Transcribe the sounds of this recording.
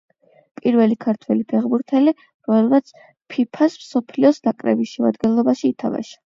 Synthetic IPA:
pʼiɾvɛlikʰaɾt̪ʰwɛlipʰɛχbuɾt̪ʰɛli | ɾɔmɛlˠmat̪sʰ | pʰipʰasmsɔpʰliɔsnakʼɾɛ̰bisʃɛmad̪ɡɛnlˠɔbaʃiːt̪ʰava̰ʃḁ

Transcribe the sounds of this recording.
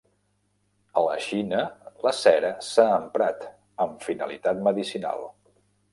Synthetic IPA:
ələʃinələsɛɾəsaːmpɾat̪ | əɱfinə̰lit̪at̪məðisina̰lˠ

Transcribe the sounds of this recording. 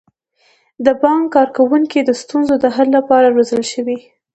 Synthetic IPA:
d̪əbɑŋkkɑɾkawuŋkid̪əst̪unzod̪əɦalːapɑɾaɾozəlʃəwi

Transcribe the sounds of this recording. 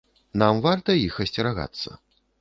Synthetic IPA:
namvart̪ɐjixɐsʲt͡sʲɛɾaɣa̰t̪sːɐ̰

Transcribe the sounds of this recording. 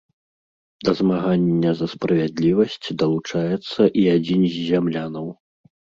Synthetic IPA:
d̪ɐzmaɣanʲːɐzɐspɾɐvʲad̪lʲivɐsʲt͡sʲd̪ɐlˠut͡ʂajɛt̪sːɐʔiad͡zʲinzʲzʲamlʲanɐw

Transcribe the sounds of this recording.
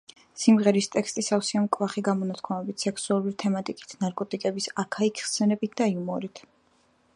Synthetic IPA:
simʁɛɾist̪ʼɛkst̪ʼisafsiamkʼvaχiɡamɔnat̪ʰkʰamɛbit̪ʰsɛksualˠuɾit̪ʰɛmat̪ʼikʼi̥t̪ʰnaɾkʼɔt̪ʼikʼɛbisakʰaikʰχsɛnɛbit̪̚ʰd̪aiumɔɾit̪ʰ

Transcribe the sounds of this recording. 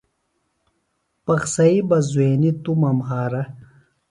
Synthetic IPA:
pɐxsɐibɐzueːnit̪umɐmɦaːɾɐ

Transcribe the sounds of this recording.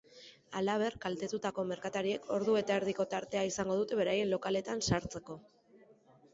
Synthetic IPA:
alaβ̞e̞rkalt̪e̞t̪ut̪ako̞me̞ɾkat̪aɾie̞kʰo̞ɾðue̞t̪aeɾðiko̞t̪aɾt̪e̞aisaŋɡo̞ð̞ut̪e̞βe̞ɾaje̞nlo̞kale̞t̪ansaɾt͡se̞ko̞

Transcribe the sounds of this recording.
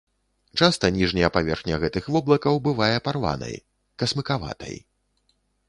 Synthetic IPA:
t͡ʂast̪ɐnʲiʐnʲɐjɐpavʲɛrxnʲɐɣɛt̪ɨxvɔblˠɐkɐwbɨvajɛparva̰nɐ̰j | kɐsmɨkava̰t̪ɐ̰j

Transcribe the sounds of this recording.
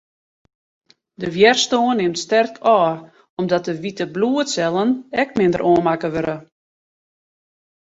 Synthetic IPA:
dəʋjɛrstoːnːɪmtstɛrkʰɔː | ɔmdɔt̚əʋitəbluːətsɛlˠənɛkmɪndə̰ɾʔoːnmakəʋøɾə

